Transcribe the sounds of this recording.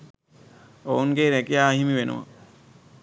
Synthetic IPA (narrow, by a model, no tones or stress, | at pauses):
ounɡeɾɛkijaːɦimiʋenʔṵʋa̰